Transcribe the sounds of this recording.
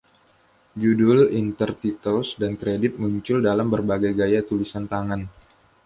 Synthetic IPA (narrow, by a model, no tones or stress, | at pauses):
d͡ʒudʊlint̪ərt̪it̪əlsdankɾedɪt̪̚muɲt͡ʃʊldalambərbaɡajɡajat̪ulisant̪aŋan